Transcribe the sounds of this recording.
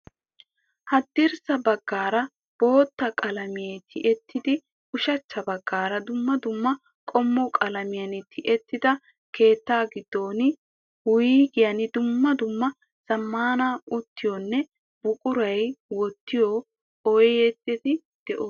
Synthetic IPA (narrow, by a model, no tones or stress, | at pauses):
hɐd̪ːɪɾsɐbɐɡːaːɾɐ | b̥o̞ːt̪ːɐkʼɐlɐmɪjɛjt̪ʰɪʔɛt̪ʰːɪd̪ɪ | ʊʃɐt͡ʃːɐbɐɡːaːɾɐd̪ʊmːɐd̪ʊmːɐ | kʼɔmːɔkʼɐlɐmɪjɐnɪt̪ʰɪʔɛt̪ːɪd̪ɐ | ke̞ːt̪ːaːɡɪd̪̥ːo̞ːnɪ | wʊjiːɡɪjɐnɪd̪ʊmːɐd̪ʊmːɐ | sɐmːaːnaʊt̪ːɪjɔnːɛ | bʊkʼʊɾɐjwɔt̪ːɪjɔ | ɔjjet̪ːɪt̪ɪ | d̪̥ɛʔoː